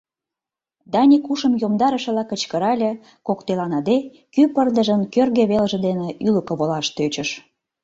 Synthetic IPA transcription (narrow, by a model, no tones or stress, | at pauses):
d̪ɑnʲikuʃə̆mjomd̪ɑɾə̆ʃə̆lɑkət͡ɕkəɾɑlʲĕ | kokt̪elɑnɑd̪e | kypərd̪əʒənkørɣĕβelʒə̆d̪eneyləkə̆βolɑʃt̪øt͡ɕə̆ʃ